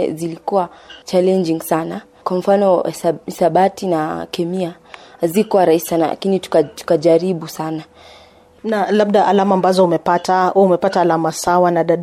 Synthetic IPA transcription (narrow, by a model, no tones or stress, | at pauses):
zilikuwat͡ʃalɛnd͡ʒiŋsana | kwam̩fanɔsisaɓatinakɛmia | zikɔwaɾaisi̥sana̰la̰kinitu̥katu̥kaʄaɾiɓusana | nalab̚ɗaʔalamaːmbazɔumɛpatahumɛpataːlamasawanaɗaɗ